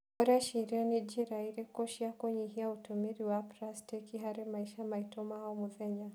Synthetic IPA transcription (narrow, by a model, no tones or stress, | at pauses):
ɔɾaaʃiɾianid͡ʒiɾaiɾɛkɔʃiakɔɲiɦiautumiɾiwapɾastikiɦaɾɛmaiʃamaitɔmaaɔmuðɛɲa